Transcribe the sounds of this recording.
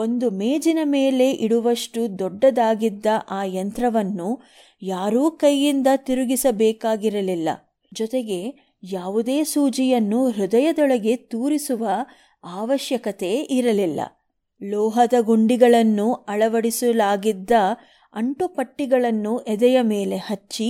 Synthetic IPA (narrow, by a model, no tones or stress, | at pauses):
o̞nd̪umeːd͡ʒinɐme̞ːle̞ʔiɽuʋɐʂʈud̪ɔɖːɐd̪aːɡid̪ːɐʔaːjɐnt̪ɾɐʋɐnːu | jaːɾuːkɐjːind̪ɐt̪iɾuɡisɐbɛːkaːɡiɾɐlilːɐ̰ | d͡ʒɔt̪eɡe̞ | jaːʋud̪e̞ːsuːd͡ʒijɐnːuɾud̪ɐjɐd̪ɔɭɐɡe̞t̪uːɾisuʋɐ | aːʋɐʃjɐkɐt̪e̞ʔiɾɐlilːɐ̰ | lɔːɦɐd̪ɐɡoɳɖiɡɐɭɐnːuɐɭɐʋɐɽisulaːɡid̪ːɐ | ɐɳʈupɐʈːiɡɐɭɐnːuʔɛd̪ɛjɐmeːle̞hɐt͡ʃːi